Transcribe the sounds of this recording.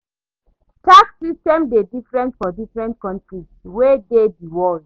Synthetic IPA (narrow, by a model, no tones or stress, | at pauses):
takssistɛ̃mdedifɹɛ̃ntfɔdifɹɛ̃nt̚kɔ̃ntɹiswedediwɔld